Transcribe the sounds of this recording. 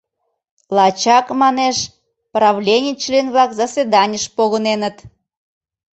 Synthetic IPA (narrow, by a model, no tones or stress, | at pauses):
lɑt͡ɕɑkmɑneʃ | prɑβlʲenʲit͡ɕliənβlɑkzəsvʲed̪ɑnʲəʃpoɣənenət̪